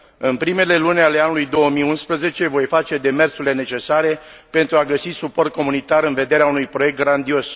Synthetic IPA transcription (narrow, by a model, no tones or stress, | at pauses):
ɨnpɾime̞le̞lunealeanulujd̪o̞wəmiunspɾəze̞t͡ʃe̞vo̞jfat͡ʃe̞d̪e̞me̞rsuɾile̞ne̞t͡ʃe̞saɾe̞ | pe̞nt̪ɾuaɡəsisupo̞rt̪̚ko̞munit̪aɾɨnve̞d̪e̞ɾeaunujpɾo̞je̞k̚t̪̚ɡɾand̪io̞s